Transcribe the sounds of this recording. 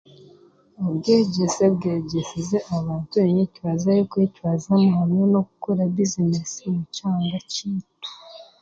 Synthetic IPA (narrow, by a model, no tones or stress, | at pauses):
ubɡeɟesebɡeːɟesizeʔaβaːntuβeɲecwazajokecwazamuhamɲonoɡukoɾaβizinesimut͡ʃaːŋɡaciːtu̥